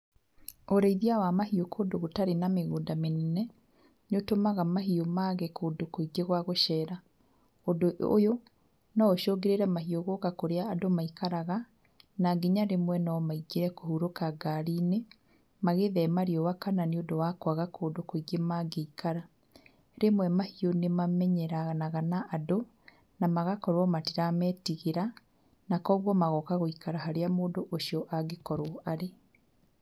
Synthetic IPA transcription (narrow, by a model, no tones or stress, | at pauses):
oɾeiðiawamaɦiokʰoːdoɣotaɾenameɣoːndamenɛnɛ | notomaɣamaɦiomaːɣɛkoːdokoiɡeɣwaɣoʃɛːɾa | odoʔojo | naoʃɔːɡeɾeɾɛmaɦioɣokakoɾeaːdomaikaɾaɣa | naɡiɲaɾemwɛnaɔmaiɡeɾɛkohuɾokaɡaɾiːne | maɣeðɛmaɾiɔwakananeiodowakwaɣakʰoːdokoiɡemaɡeikaɾa | ɾemwɛmahionemamɛɲɛɾanaɣanaʔːdo | namaɣakɔɾwɔmatiɾamɛːtiɣeɾa | nakɔːɣwɔmaɣɔkaɣoikaɾaɦaɾeamoːdoʔoʃiɔʔaɡekɔɾwɔʔaɾe